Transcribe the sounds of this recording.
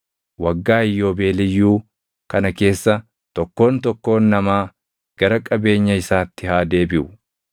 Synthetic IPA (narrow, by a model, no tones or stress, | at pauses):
wɐɡːaːɪjːo̞ːbe̞ːlɪjːuː | kɐnɐke̞ːsːɐ | t̪ɔkːo̞ːnt̪ɔkːo̞ːnːɐmaː | ɡ̥ɐɾɐkʼɐbe̞ːɲːɐɪsaːt̪ːɪhaːd̪e̞ːbɪʔʊ